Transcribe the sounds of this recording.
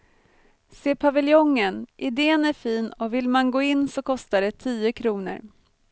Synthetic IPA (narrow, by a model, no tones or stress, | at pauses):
seːpʰavɪljɔŋːənʔɪd̪eːnæɾfiːnɔvɪlmanɡoːɪnːsɔkʰɔst̪aɖɛt̪ʰiːəkʰɾuːnə̰ɾ